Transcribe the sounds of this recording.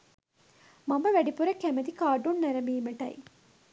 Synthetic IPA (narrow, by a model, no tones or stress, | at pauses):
mɐmɐʋɐɖipuɾɐkːæmɐd̪ikaːɖunnɐɾɐmiːmɐʈɐ̰j